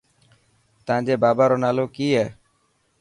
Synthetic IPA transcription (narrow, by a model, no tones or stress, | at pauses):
t̪ãːd͡ʒeːbaːbaɾonalokiɦɛ